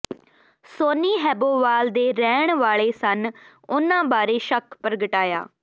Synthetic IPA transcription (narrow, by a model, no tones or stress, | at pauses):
soːniːɦɛːboːʋaːld̪eːɾɛːɳʋaːɭeːsən | ʊnãːbaːɾeːʃəkʰpəɾɡəʈaːja̰ː